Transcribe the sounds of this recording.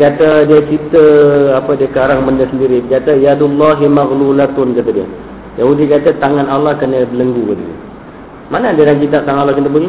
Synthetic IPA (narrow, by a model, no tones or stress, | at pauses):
kat̪adiət͡ʃit̪əapədiəkaɾaŋməndəsəndiɾibkat̪ajad̪ulːaɦimaɣlulat̪ʊnkat̪adiə̰ | jaɦudikat̪at̪aŋanalːahkənəbələŋɡudḭ | manadədaŋkit̪̬ap̚t̪aŋãalːɔhkit̪əbuɡi